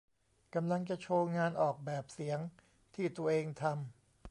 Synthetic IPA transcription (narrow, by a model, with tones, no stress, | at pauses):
ka˧mla˧ŋt͡ɕa˨˩t͡ɕʰoː˧ŋaː˧nʔɔː˨˩k̚bɛː˨˩p̚si˩˦əŋ | t̪ʰiː˥˩t̪u˧ɐʔeː˧ŋt̪ʰa˧m